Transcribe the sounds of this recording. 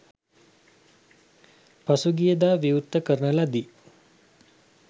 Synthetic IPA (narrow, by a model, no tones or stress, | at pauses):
pasuɡijəd̪aːʋiut̪ːəkəɾɳəlad̪i